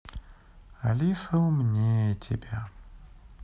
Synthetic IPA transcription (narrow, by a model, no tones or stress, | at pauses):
ɐlʲisɐʊmnʲetʰʲɪ̰bʲa